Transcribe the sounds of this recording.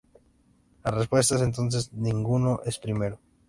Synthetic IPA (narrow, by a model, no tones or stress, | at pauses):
arespwe̞s̬t̪aes̬ent̪̬o̞ns̬e̞znĩŋɡunoʔespɾime̞ɾo